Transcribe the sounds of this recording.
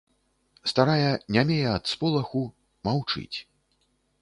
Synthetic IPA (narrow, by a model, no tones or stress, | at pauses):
st̪aɾajɐnʲamʲejɛɐt̪spɔlˠɐxu | mawt͡ʂɨ̰t͡sʲ